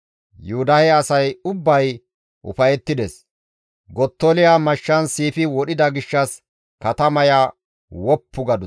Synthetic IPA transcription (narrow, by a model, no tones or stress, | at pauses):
juʊd̪ɐhɛɐsɐjʊbːɐj | ʔʊ̰fɐjɛt̪ːɪd̪ɛs | ɡɔt̪ːolɪjamɐʃːɐnsiːfɪwɔɗɪd̪ɐɡɪʃːɐs | kɐt̪ɐmɐjaː | wɔpʰːʊɡɐd̪ʊ